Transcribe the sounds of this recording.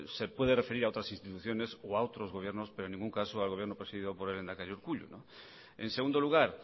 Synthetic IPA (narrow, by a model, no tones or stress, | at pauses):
sepweð̞erefeɾiɾaot̪ɾasĩnst̪it̪uθjonesoaot̪ɾozɣoβjeɾnospeɾoenːĩŋɡuŋkasoalɣoβjeɾnopɾesiðiðopoɾelend̪akaʎuɾkuʎṵnõ | ẽnseɣũnd̪oluɣ̞aɾ